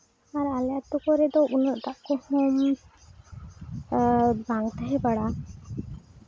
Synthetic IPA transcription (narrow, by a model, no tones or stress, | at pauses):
aɾaljat̪ukɔɾɛd̪ɔʔunəʔt̪aʔkɔhɔ̃ɲ | baŋt̪aɦɛbaɽa